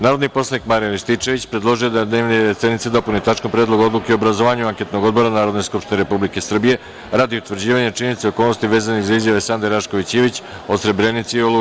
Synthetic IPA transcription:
naːɾo̞d̪nipo̞slˠanikmaɾijaniʃt̪it͡ʂe̞ʋit͡ɕpɾed̪lˠo̞ʒijod̪ad̪neːʋneesed̪nit̪sed̪o̞punit̪at͡ʃkompɾed̪lˠoɡod̪lˠukeiobɾazo̞ʋaːɲuaŋket̪noɡo̞d̪bo̞ɾanaːɾod̪ne̞skupʃt̪ineɾe̞publike̞sr̩bije̞ | ɾaːd̪iut̪ʋr̩d͡ʑiːʋaɲet͡ʃinenit̪seo̞ko̞ːlno̞st̪iʋe̞ːzanizaizjaʋesand̪eɾaʃko̞ʋit͡ɕiʋit͡ɕ | osɾe̞bɾenit̪siolu

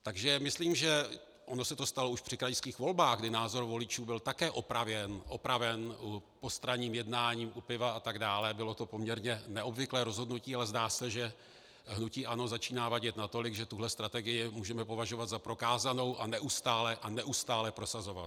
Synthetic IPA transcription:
t̪aɡʒɛmɪsliːmʒɛ | ʔo̞no̞sɛt̪o̞st̪alo̞uʃpr̝̥ɪkɾajskiːxvo̞lbaːɣɡdɪnaːzo̞ɾvo̞lɪt͡ʃuːbɪlt̪akɛːʔo̞pɾavjɛnʔo̞pɾavɛnupost̪ɾaɲiːmjɛdnaːɲiːmʔupɪvaat̪aɡdaːlɛbɪlo̞t̪o̞po̞mɲɛɾɲɛnɛʔo̞bvɪklɛːɾo̞zɦo̞dnuciːalɛzdaːsɛʒɛ | ɦnuciːʔano̞zat͡ʃiːnaːvaɟɛt̪nat̪o̞lɪɡʒɛt̪uɦlɛst̪ɾat̪ɛɡɪjɪmuːʒɛmɛpo̞vaʒo̞vat̪zapɾo̞kaːzano̞wʔanɛʔust̪aːlɛʔanɛʔust̪aːlɛpɾo̞sazo̞van

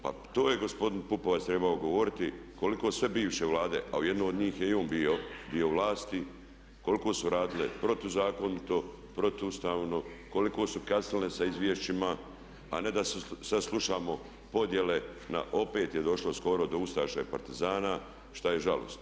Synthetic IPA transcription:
pa̰t̪oːjeɡo̞spo̞d̪inpupoʋast̪ɾebaoɡoʋo̞ɾit̪i | ko̞liko̞ːsʋe̞biːʋʃe̞ʋlaːd̪e̞ʔaoje̞d̪noːd̪ɲiːxjeo̞ːnbijod̪ioʋlaːst̪i | ko̞liko̞ːsuɾaːd̪ilḛpɾo̞t̪uzaːko̞nit̪o̞ | pɾo̞t̪ust̪aːʋno̞ko̞liko̞ːsukaslinesaizʋjeʃt͡ʃima̰ː | ne̞d̪assaslˠuʃaːmo̞ | po̞d̪je̞le̞na̰ʔo̞pe̞ːt̪jed̪o̞ʃlo̞sko̞ɾod̪o̞ust̪aʃajpa̰ɾt̪izaːna | ʃt̪ajeʒalo̰st̪

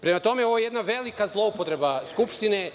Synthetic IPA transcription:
pɾemat̪o̞meoʋojjed̪naʋelikazlˠoupot̪ɾebaskupʃt̪inɛ

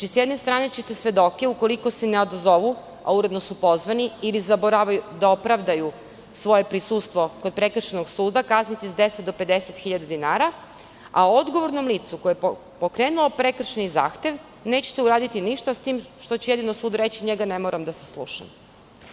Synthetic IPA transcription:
t͡ʃisjed̪ne̞st̪ɾaːnet͡ɕet̪esʋʲe̞d̪o̞ke̞uko̞liko̞seneo̞d̪ozo̞ʋu | a̰uɾe̞d̪nosupo̞zʋaniilizaboɾaʋajud̪ao̞pɾaʋd̪aju | sʋo̞je̞pɾisust̪ʋo̞ko̞d̪̚pɾe̞kr̩ʃenoɡsuːd̪akaznit̪izd̪e̞set̪d̪o̞pe̞d̪e̞set̪xiʎad̪ad̪inaːɾa | a̰ood̪ɡo̞ʋo̞ɾno̞mliːt̪sukoje | po̞kɾe̞ːnulˠopɾe̞kr̩ʃeniza̰ːxt̪e̞ʋ | ne̞ːt͡ɕe̥t̪euɾaːd̪it̪iniʃt̪ast̪iːmʃt̪o̞t͡ɕejed̪inosuːd̪uɾet͡ɕiɲeɡanemoɾamd̪aseslˠṵːʃa̰m

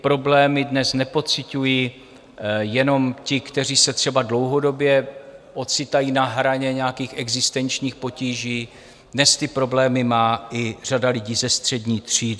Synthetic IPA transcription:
pɾo̞blɛːmɪdnɛsnɛpo̞t͡sɪcuji | jɛno̞mcɪkt̪ɛriːsɛt̪r̥ɛbadlo̞wɦo̞do̞bjɛʔo̞tt͡sɪt̪ajiːnaɦɾaɲɛɲɛakiːxʔɛɡzɪst̪ɛnt͡ʃɲiːxpo̞ciːʒiː | dnɛst̪ɪpɾo̞blɛːmɪmaːʔɪr̝adalɪɟiːzɛst̪r̝̥ɛdɲiːt̪r̝̥iːd

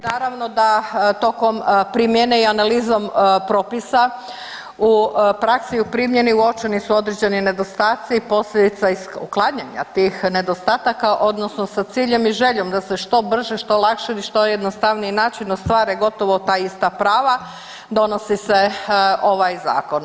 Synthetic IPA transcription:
naːɾaʋno̞d̪at̪o̞ko̞mpɾimjeneianaliːzo̞mpɾoːpisa | upɾaksiupɾimje̞niuo̞t͡ʃenisuo̞d̪ɾed͡ʑe̞nine̞d̪o̞st̪aːt̪sipo̞sʎed̪it̪saisuklˠaɲaɲa̰t̪iːxne̞d̪o̞st̪aːt̪akaʔo̞d̪no̞sno̞sat̪siːʎe̞miʒe̞ʎo̞md̪ase̞ʃt̪o̞br̩ʒeʃt̪o̞lˠakʃeiʃt̪o̞jed̪nost̪aʋniinaːt͡ʃinost̪ʋaːɾeɡo̞t̪o̞ʋot̪aːist̪apɾaːʋa | d̪o̞no̞siseo̞ʋajza̰ːko̞n

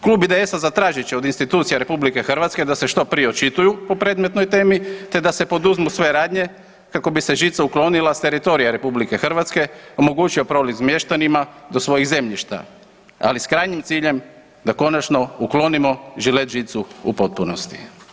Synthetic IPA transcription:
kluːbid̪eesazat̪ɾaːʒit͡ɕeo̞d̪inst̪it̪uːt̪sijaɾe̞publike̞xr̩ʋat̪ske̞d̪aseʃt̪o̞pɾijeot͡ʃit̪ujupo̞pɾe̞ːd̪me̞t̪no̞jt̪e̞ːmit̪e̞d̪ase̞po̞d̪uzmusʋe̞ɾaːd̪ɲe̞ | kako̞bise̞ʒit̪sauklo̞nilˠast̪e̞ɾit̪o̞ɾijaɾe̞publike̞xr̩ʋat̪ske̞o̞mo̞ɡuːt͡ʃio̞pɾo̞livzmjeʃt̪animad̪o̞sʋo̞jiɣze̞mʎiʃt̪a̰ | a̰liskɾaːjɲimt̪siːʎe̞m | d̪ako̞nat͡ʃno̞uklo̞nimo̞ʒilet̪ʒit̪suṵpo̞t̪̚punost̪i̥

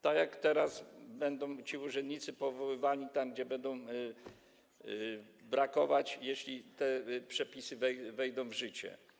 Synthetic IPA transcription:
t̪aɡjakt̪ɛɾazbɛnd̪ɔ̃w̃t͡ɕiuʐɛnd̪ɲit̪sɘpɔvɔwɘvaɲʲit̪amɡd͡ʑɛbɛnd̪ɔ̃w̃ | bɾakɔvat͡ɕjeɕlʲit̪ɛpʂɛpʲisɘvɛvɛjd̪ɔ̃w̃vʐɘt͡ɕɛ̰

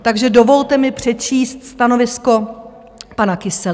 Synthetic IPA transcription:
t̪aɡʒɛdo̞vo̞lt̪ɛmɪpr̝̥ɛt͡ʃiːst̪st̪ano̞vɪsko̞ | panakɪsɛ

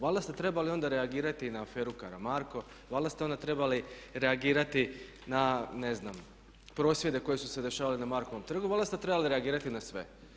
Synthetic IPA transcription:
ʋald̪ast̪et̪ɾe̞balio̞nd̪aɾe̞aɡiːɾat̪inaːfe̞ːɾukaɾamaɾko̞ | ʋaːlˠd̪ast̪o̞nd̪at̪ɾe̞baliɾe̞aɡiːɾat̪i | nane̞znam | pɾo̞ːsʋje̞d̪e̞ko̞jesuse̞d̪e̞ʃaːʋalinamaɾko̞ʋo̞mt̪r̩ɡuʋald̪ast̪et̪ɾebaliɾeaɡiːɾat̪inasʋe̞̰

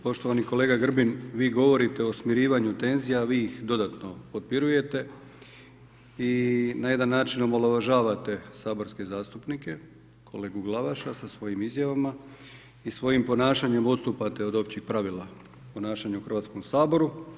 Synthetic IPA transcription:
po̞ʃt̪o̞ʋaniko̞leːɡaɡr̩binʋiːɡo̞ʋo̞ɾit̪eosmiɾiːʋaɲut̪e̞nzijaʋiːixd̪o̞d̪at̪no̞pot̪̚piɾuje̞t̪e̞ | inaje̞d̪anːaːt͡ʃinomoloʋaʒaːʋat̪e̞saːbo̞ɾske̞zaːst̪upnike̞ | kʰo̞̰le̞ːɡuɡlˠaʋaʃasasʋo̞jimizjaʋama | isʋo̞jimpo̞naːʃaɲe̞mot̪st̪uːpat̪eo̞d̪o̞p̚t͡ɕixpɾaʋilˠa | po̞naːʃaɲauxr̩ʋaːt̪sko̞msaːbo̞ɾu

